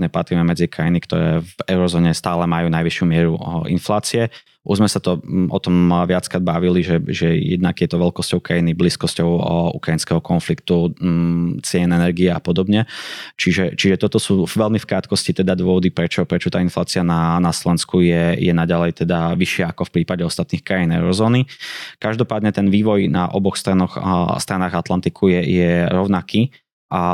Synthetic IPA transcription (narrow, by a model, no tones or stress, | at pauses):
ɲɛpat̪ɾimɛmɛd͡zikɾajinikt̪ɔ̰ɾɛ̰ːvɛʊɾɔzɔːɲɛst̪aːlɛmajuːnajʋiʃjumɪɛɾuʔḭnflaːt͡siɛ | ʔṵʒzmɛsat̪ɔʔɔt̪ɔmʋɪat͡skɾad̪̚baʋiliʒɛʒɛjɛ̰d̪naɡjɛt̪ɔʋɛlkɔscɔʊkɾajinibliːskɔscɔʊṵkɾainskɛɦɔkɔnflikt̪u | t͡sɪɛnɛnɛɾɡiɛapɔd̪ɔbɲɛt͡ʃiʒɛt͡ʃiʒɛt̪ɔt̪ɔsuːʋɛlmifkɾaːt̪kɔscit̪ɛd̪ad̪ʊɔʋɔd̪ipɾɛt͡ʃɔpɾɛt͡ʃɔt̪aːinflaːt͡siananaslɔʋɛnskujɛjɛnaɟalɛjt̪ɛd̪aʋiʃɪɛakɔfpɾiːpaɟɛɔst̪at̪niːxkɾajinɛ̰ʊɾɔzɔːnikaʒd̪ɔpaːd̪ɲɛt̪ɛnʋiːʋɔjna̰ʔɔ̰bɔxst̪ɾanɔxst̪ɾanaːɣat̪lant̪ikʰujɛjɛɾɔʊnakiː | ʔa